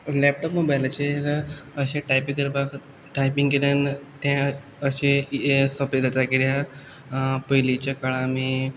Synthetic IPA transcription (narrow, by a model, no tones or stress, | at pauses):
lɛp̚ʈɔpmobajlt͡ɕekəɕẽʈajpikəɾbak | ʈajpiŋɡelənt̪jã | əɕẽsɔped̪ət̪ɾakiɾja | pəjlit͡ɕakaɭami